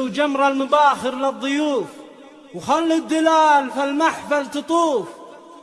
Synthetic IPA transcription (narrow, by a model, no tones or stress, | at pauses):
d͡ʒamɾˤɑlmʊbaːxɪɾlɪðˤːʊjuːf | wxalːud̪ːɪlaːlfalmaħfalt̪ɨt̪ˤuːf